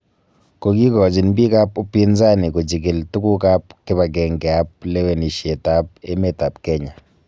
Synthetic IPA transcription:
ko˨ɡi˦ɡɔ˨d͡ʒi˨nbi˦ka˦po˦pi˦nza˦ni˨ko˨d͡ʒi˨ke˨ltu˦ku˦ka˦p̚kɪ˦βa˨ɡɛ˨ŋɡɛ˨a˦p̚le˦we˨ni˨ʃe˨ta˨p̚e˦me˦ta˨pkɛ˦ɲa˨

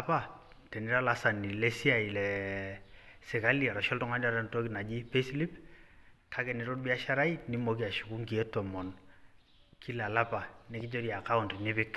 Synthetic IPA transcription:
apa˦˨ | tɛ˨nɪ˦ɾa˦la˨sa˨ni˨lɛ˦si˦a˨i˨lɛ˨ | sɪ˨ka˦li˦a˨ɾa˨ʃɔ˦ltʊ˦ŋa˦n˦a˨ɾa˦nto˦ki˨na˨d͡ʒi˦pe˦sli˦p | tʰa˦kɛ˨nɛ˨ɾo˦ɾbi˦a˦ʃa˦ɾa˦i˦ni˦mo˨k̬i˦a˨ʃu˨ku˦ŋɡi˨ɛ˦tɔ˨mɔ˨n | kʰi˦la˨la˦pa˨nɛ˦kɪ˦d͡ʒo˦ɾja˨ka˦u˨ntnɪ˦pɪ˦k

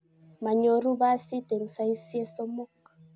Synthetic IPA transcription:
ma˨ɲo˨ɾu˦ba˦si˦te˨ŋ˨sa˦i˦si˦e˦so˦mo˦k

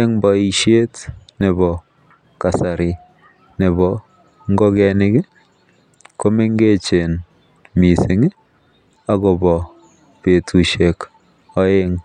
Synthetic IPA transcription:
e˦ŋbɔ˨i˨ʃe˦tne˨bɔ˨ | ka˨sa˨ɾɪ˨ | ne˨bɔ˨ | ŋɡɔ˦kɛ˨nɪ˦kɪ˦ | ko˦me˦ŋɡe˦t͡ʃe˨n | mi˨sɪ˨ŋ˦ | a˨ɡɔ˨bɔ˨ | pe˨tʰu˨ʃe˨k | ɔ˦e˦ŋ

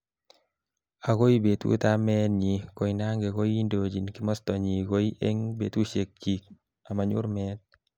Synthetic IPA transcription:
a˨ko˦i˦be˨t̪ṵ˦ta˦mɛ˦nɲi˨ko˨i˦na˦ŋɡe˨ko˦ji˦ndo˨d͡ʒi˨nkɪ˦mɔ˦stɔ˨ɲi˨ko˦i˦ʔe˦ŋbe˨t̪u˦ʃe˨k̚t͡ʃi˨k̚ | a˨ma˨ɲʊ̰˦ɾmɛ˦t̪̚

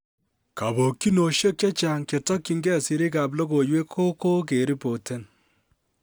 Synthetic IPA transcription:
ka˨bo˨kːi˦no˨ʃje˦k̚t͡ʃɐ˦t͡ʃa˨ŋke˨tɔ˦kːi˨ŋɡɛ˦˨si˨ɾi˦ka˨p̬lo˦ko˨jwe˦kʰo˦ko˦k̬e˨ɾi˦po˨te˦n

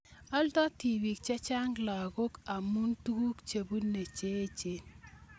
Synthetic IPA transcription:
ɔ˦ltɔ˦ti˨wi˨k̚t͡ʃɛ˦t͡ʃa˦ŋla˨ɡo˦ka˨mu˦ntu˦ɡu˦kt͡ʃe˨bu˦nːe˨t͡ʃe˦t͡ʃe˨n

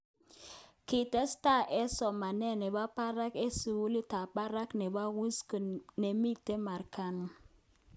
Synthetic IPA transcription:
ki˨tɛ˦sta˦˨ʔɛ˦sɔ˨ma˨nɛ˦˨nɛ˨ba˦pa˦ɾa˦ke˦si˨wu˦li˦ta˨ɓa˦ɾa˦knɛ˨ba˦ɣu˦skə˨ne˨mi˦te˦ma˨ɾka˦n˦

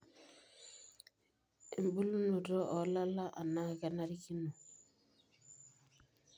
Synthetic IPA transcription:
i˨m˨bu˦lu˦nu˨ɾɔ˦ʔɔ˨˦la˦la˦ʔa̰˨na˦˨ɣɛ˨na˦ɾi˦ki˦nu˨

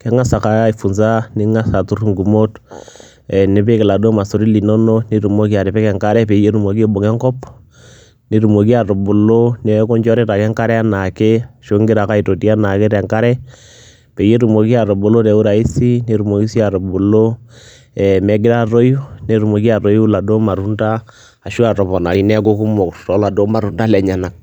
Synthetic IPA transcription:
kɛ˦ŋa˦sa˨ka˦i˨fu˨nsa˦nɪ˦ŋa˦sa˨tu˦ɾŋɡu˨mo˦t | ɛ˨nɪ˨˦pe˦kɪ˨la˨do˦ma˨so˨ɾi˦li˨nɔ˦no˦ni˦ɾu˨mo˦k̬i˦a˨ɾɪ˨pɛ˦kɛ˨ŋka˦ɾɛ˦pe˨je˦ɾu˨mo˨ki˦e˦bo˨ŋɛ˦ŋkɔ˦p | ni˦ɾu˨mo˨ki˦a˨ɾo˨bʊ˨lo˦nɛ˦kɔ˦ɲd͡ʒɔ˦ɾɪ˦ta˨kɛ˦ŋka˦ɾɛ˦a˦na˨ke˦˨ʃo˦ŋɡɪ˦ɾa˨ka˦i˨to˨ti˦a˦na˨ke˦ɾɛ˨ŋka˦ɾɛ˦ | pe˨je˦ɾu˨mo˨ki˦a˨ɾɔ˨bʊ˨lo˦tɛ˨˦u˦ɾa˨i˦si˦ne˨˦ɾu˨mo˨ki˦si˦a˨ɾo˨bu˨lo˦ | ɛ˨mɛ˨˦ɡɪ˦ɾa˦ro˦ju˦ne˨ɾu˨mo˨ki˦a˨ɾo˦ju˦la˨do˦ma˨ɾu˦ntaː˦˨ | ʃu˦a˨tɔ˨pɔ˨na˨i˨nɛ˦k̬o˦ku˦mɔ˨ktɔ˨˦la˨do˦ma˨ɾu˨nda˦lɛ˨ɲa˨na˨k̚

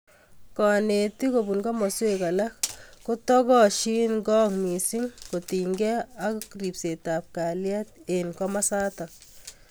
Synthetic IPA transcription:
kɔ˨ne˨ti˦ko˨bu˨nɡɔ˦mɔ˨se˦ka˨la˦kko˦tɔ˦kɔ˦ʃi˦nɡɔ˦ŋmi˨si˦ŋko˨ti˨ŋɡɛ˦a˦kkɾi˨pse˨ta˨p̚ka˨lja˦t̚enkɔ˦ma˦sa˦ta˨k̚

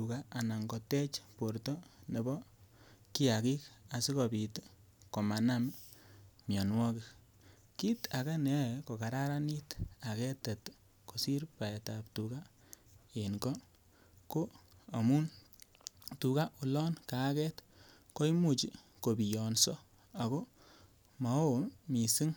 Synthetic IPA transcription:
u˨ka˦a˨na˨ŋɡɔ˨tɛ˦t͡ʃpo˨ɾto˦ne˨bɔ˦ki˦a˨ki˦ka˨si˦ko˨bi˨t | ko˨ma˨na˦m | mjɔ˨nwɔ˦ki˨k | ki˦ta˨ka˦nɛ˨ko˨ka˨ɾa˦ɾa˦ni˦ta˨kɛ˦tɛ˨t | ko˨si˦ɾpa˨ɛ˨ta˨ptu˨ka˦ | e˨nkɔ˦ | ko˦a˨mu˦n | tu˨ka˦ʔu˨lɔ˦nka˨˦kɛ˦t | ko˦i˦mu˨t͡ʃi˨ | ko˨bi˨jɔ˨nsɔ˦ | a˨ko˦ | ma˨o˦mi˨si˦ŋ

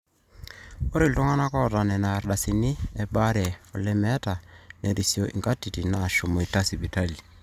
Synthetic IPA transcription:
o˦ɾi˨ltu˦ŋa˦na˦kɔ˦˨ta˨nɛ˨na˨ɾɗa˨si˨ni˦ɛ˦ɓa˦ɾɛ˨ɔ˨lɛ˦mɛ˦ta˨nɛ˨ɾi˨sjo˨ʔḭ˨ŋɡa˦ti˨ti˨na˨ʃo˨mɔ˨i˨ta˦si˨bi˨ta˦li˨

